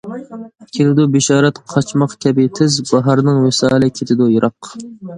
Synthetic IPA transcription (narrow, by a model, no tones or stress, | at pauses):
kʲʰet̪ʰɪd̪ubɪʃɑːɾɛt̪qʰɑt͡ʃmɑqk̪ʲʰɛbit̪ʰɪzbɑɦɑɾɨnɨŋwesɑːlɛkʲʰet̪ʰɪd̪ujɨɾʔɑq